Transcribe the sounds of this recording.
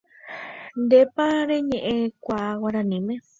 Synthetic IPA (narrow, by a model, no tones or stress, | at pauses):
nd̪epaɾeɲẽʔẽkʷawaɾãnĩmẽ